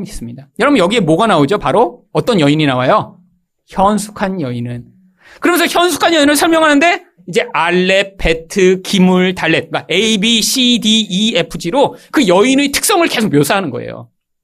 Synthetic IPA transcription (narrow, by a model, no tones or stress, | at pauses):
is͈ɯmɲidajʌɾʌbɯnjʌɡie̞moɡanaod͡ʑopaɾoʌt͈ʌnjʌiɲinawajo | çjʌnsʰu̥kʰanjʌinɯn | kɯɾʌmensʰʌçjʌnsʰu̥kʰanjʌinɯɭsʰʌɭmjʌŋɦanɯnde̞ | id͡ʑe̞ʔaɭːepʰe̞tʰɯkimuɭtaɭːe̞t̚kaeibiɕʰidiːepʰɯd͡ʑiɾokɯjʌinetʰɯ̥k̚s͈ʌŋɯɭke̞sʰok̚mjosʰaɦanɯnɡʌ̰ḛjo̰